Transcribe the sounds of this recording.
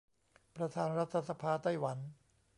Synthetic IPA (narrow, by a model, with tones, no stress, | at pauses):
pɾa˧t̪ʰaː˧nɾa˦˥t̪ʰːa˧sa˧pʰaː˧t̪a˥˩jwa˩˦n